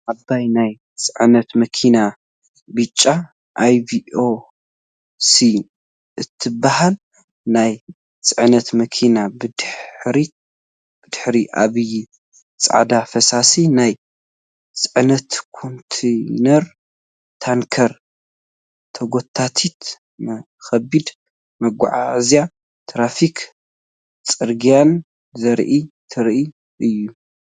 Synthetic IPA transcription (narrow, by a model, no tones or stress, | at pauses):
ʔabːajnaj | t͡sʼɨʕnɐt̪mɐkʰina | bɨt͡ʃʼːa | ʔajbio | si | ʔɨt̪ʰːɨbːahal | naj | t͡sʼɨʕnɐt̪mɐkʰinabɨd̪ħɾi | b̥ɨd̪̥ɨħɾiʔa̰βɨju | t͡sʼa̰ʕd̪afɐsasinaj | t͡sʼɨʕnɐt̪kʰont̪ʰenɐɾ | t̪ʰaŋkʰɐɾ | t̪ʰɐɡot̪ʰːat̪ʰit̪ | xɐbid̪ | mɐɡʷa̰ʕa̰zja | t̪ʰɾafikʰ | t͡sʼɨɾɡijan | zɐɾʔit̪ʰɨɾʔi | ʔɨjːu